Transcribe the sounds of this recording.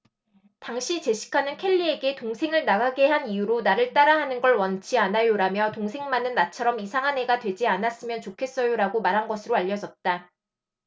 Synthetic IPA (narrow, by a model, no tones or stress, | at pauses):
taŋɕʰit͡ɕe̞ɕʰi̥kʰanɯnkʰeʎːie̞ɡe̞toŋsʰe̞ŋɯɭnaɡaɡe̞ɦanijuɾonaɾɯɭt͈aɾaɦanɯnɡʌɭwʌnt͡ɕʰianajoɾamjʌtoŋsʰe̞ŋmanɯnːat͡ɕʰʌɾʌmisʰaŋɦane̞ɡatwe̞d͡ʑianas͈ɯmjʌnt͡ɕokʰe̞s͈ʌjoɾaɡomaɾɦanɡʌsʰɯɾoaʎːʌd͡ʑʌt̚t͈a